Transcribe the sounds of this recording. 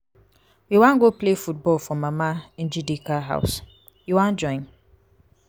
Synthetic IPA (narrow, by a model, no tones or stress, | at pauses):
jiwãnɡoplefut̚bɔlfɔmaman̩d͡ʒidikaɦa̰ʊs | jiwãnd͡ʒɔ̃ɪ̃n